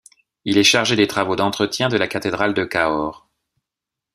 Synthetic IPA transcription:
ilɛʃaʁʒed̪et̪χavod̪ɑ̃t̪χət̪jɛ̃d̪əlakat̪ed̪ʁald̪əkaɔʁ

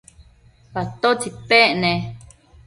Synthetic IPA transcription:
pat̪ot͡sipeʔnẽ

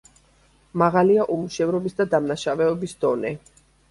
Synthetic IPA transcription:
maʁaliaʔumuʃɛvɾɔbisd̪ad̪amnaʃavɛɔbisd̪ɔnɛ

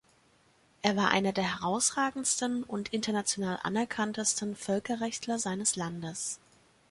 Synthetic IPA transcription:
ʔeːɐvaːɐʔa̰ɪnɐdeːɐɦɛʁ̞aʊsʁ̥aːɡŋ̩stn̩ʊntʔɪntɐnat͡sjonaːlʔa̰nɛɐkʰantəstn̩fœlkɐʁɛçtlɐzaɪnəslandəs

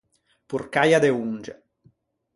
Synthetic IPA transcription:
purkajad̪eund͡ʒḛ

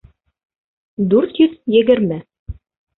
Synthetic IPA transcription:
d̪ʉɾt̪jɵðjɘ̆ɡɘ̆ɾmɘ

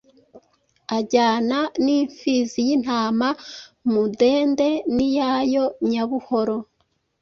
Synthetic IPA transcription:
aɟaːnaniːɱfizijin̥aːmamude̞ːnde̞nijajo̞ɲaβuho̞ɾo̞

